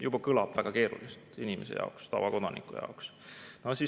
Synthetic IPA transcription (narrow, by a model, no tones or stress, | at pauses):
jub̥ɑkɤlɑb̥væɡ̥ɑke̞ːɾṵlist̪inimesḛjɑ̰okst̪ɑ̰vɑ̰ko̞d̪̥ɑnikujɑ̰oksnosi